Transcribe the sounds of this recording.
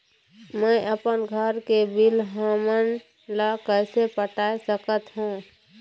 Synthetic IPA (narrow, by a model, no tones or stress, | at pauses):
məʔəpənɡʱəɾkebilɦamən | lakəɪsepəʈaːesəkət̪ɦũ